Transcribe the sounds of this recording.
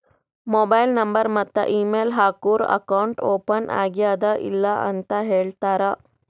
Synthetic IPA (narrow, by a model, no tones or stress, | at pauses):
moːbɐjlnɐmbɐɾmɐt̪ːɐ̰ʔiːmeːlɦaːkuːɾɐ̰kɐwɳʈoːpɐnʔa̰ːɡijaːd̪ɐʔḭlːɐʔɐ̰nt̪ɐɦeːɭt̪aːɾɐ